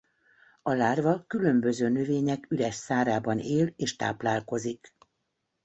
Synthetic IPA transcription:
ɒlaːrvɒkylø̞mbø̞zøːnøveːɲɛkylɛʃsaːɾaːbɒneːleːʃt̪a̰ːplaːlko̞zik

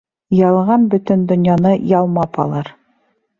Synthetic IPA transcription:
jɑlˠʁɑnbɵ̆t̪ɵ̆nd̪ŏnjɑnɤjɑlˠmɑpʰɑ̰lˠɑɾ

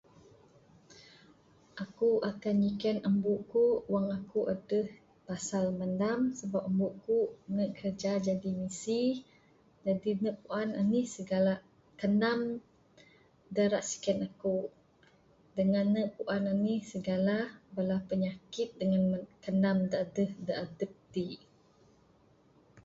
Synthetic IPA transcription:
ʔakuʔakanikɛnəmbuʔkuwaŋakuʔadəh | pasalməndamsəbap̚əmbuʔkunəʔkʰərd͡ʒad͡ʒadimisi | d͡ʒadinəʔpuʔananihsəɡala | kənam | dəɾaʔsi̥kɛnaku | dəŋanːəʔpuʔananihsəɡalabəlahpəɲakɪt̪̚dəŋankənamdəadəhdəʔadəp̚t̪i

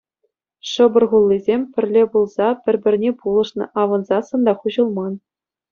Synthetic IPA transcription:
ʂɤ̆bɤ̆rʁulʲˠːizʲemʲpʲɘ̆rʲlʲebulˠzɑpʲɘ̆rʲbʲɘ̆rʲnʲepulˠɤ̆ʂnɤ̆ʔɑʋɤ̆nzɑsɤ̆nd̪ɑχuʑɤ̆lˠmɑn

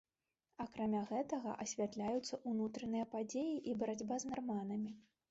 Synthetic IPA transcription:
ɐkɾamʲaɣɛt̪ɐɣɐ̰ʔɐsʲvʲat̪lʲajut̪sːɐʔunut̪ɾɐnɨjɐpad͡zʲejiʔibɐɾad͡zʲbaznarmanɐmʲi

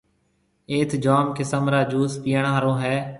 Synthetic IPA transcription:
eːt̪ʰd͡ʒaːmkɪsəmɾaːd͡ʒuːspiːəɳaːɾõːɦɛː

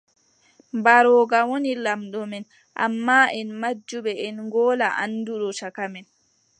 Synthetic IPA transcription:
mbaɾɔːɡawonilamɗɔmɛn | ʔa̰mːaʔɛnmad͡ʒːuɓɛʔɛnŋɡɔːlaʔa̰nːduɗɔtakamɛn

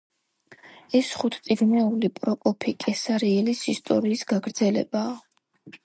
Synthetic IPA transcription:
ɛsχut̪ʰt̪sʼiɡnɛulipʼɾɔpʼɔpʰikʼɛsaɾiɛlisist̪ʼɔ̰ɾiːsɡaɡɾd̪zɛlɛ̰b̥aː

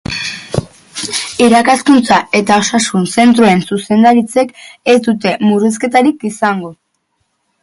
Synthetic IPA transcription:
iɾakaskunt͡sae̞t̪ao̞sasunse̞nt̪ɾue̞nsuse̞nd̪aɾit͡se̞ke̞szt̪ut̪e̞muris̬ke̞t̪aɾikisaŋɡo̞

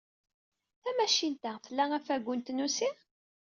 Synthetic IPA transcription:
θæmæʃint̪æθəlːæʁæfæɡʷːʊnt̪nusi

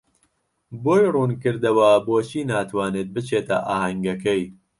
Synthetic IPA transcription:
boːjruːnkɨɾd̪ɐwɐboːt͡ʃʰiːnaːt̪ʰwaːnet̪̚bɨt͡ʃʰeːt̪ɐ̰ʔaːhɐŋɡɐkɐj

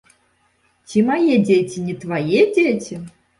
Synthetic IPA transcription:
t͡sʲimajɛd͡zʲetʲinʲit̪vajɛd͡zʲet͡sʲi

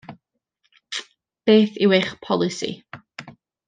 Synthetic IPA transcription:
b̥eːθɪweχpʰɔlˠɪsḭ

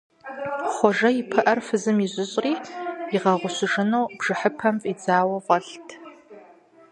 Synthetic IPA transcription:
χʷɔʒɐjipʰɨʔɐrfɨzɨmiʑʷʼʊɕʼriːɪʁɐʁʷʊɕʷɪʐɨnowb̥ʐ̥ɨħəpʰɐmfʼid͡zaːwɐʁʷɔɬtʰ

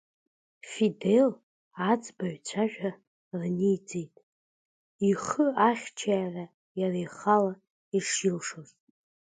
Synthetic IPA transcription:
fide̞l | ad͡zbaɥᶣt͡ɕʷʰaʒᶣa | rnijd͡zejtʼ | iχəaχʲt͡ʃʰaːra | jarajχala | iʂjilʂorʼ

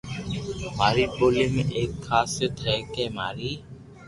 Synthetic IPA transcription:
maːɾiːpoːleːmeʔeːkːʰaːset̪ʰɛːkɛːmaːɾiː

